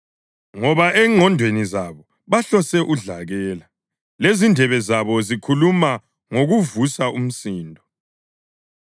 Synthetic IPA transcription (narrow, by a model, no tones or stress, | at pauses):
ŋɔβaʔɛŋʱɔndʱwenizaβɔ | βaɬɔsɛʔuɮaɣɛːla | lezindʱɛβɛzaβɔzikʰuluma | ŋoɣuvusaum̩siːndʱɔ